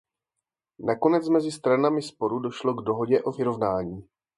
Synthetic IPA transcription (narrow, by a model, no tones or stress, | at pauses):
nako̞nɛt͡smɛzɪst̪ɾanamɪspo̞ɾudoʃlo̞ɡdo̞ɦo̞ɟɛʔo̞vɪɾo̞vnaːɲiː